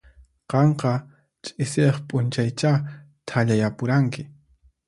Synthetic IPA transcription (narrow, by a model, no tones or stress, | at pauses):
qɑɴqɑ | t͡ʃʼɪseχpʼʊnt͡ʃajt͡ʃa | t̪ʰaʎajapʊɾaŋkɪ